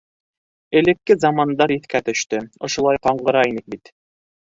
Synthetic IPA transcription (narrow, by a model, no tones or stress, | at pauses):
ɘ̆lɘ̆kːɘzɑmɑnd̪ɑɾiθkæt̪ɵ̆ʃt̪ɘŏʃŏlˠɑjqɑɴɢɤ̆ɾɑinɘk̚bit̪